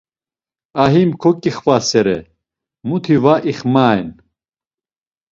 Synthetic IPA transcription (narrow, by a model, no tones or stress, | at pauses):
aɦimkʰɔkʼiχvasɛɾɛ | mut̪ʰivaʔiχmaːjn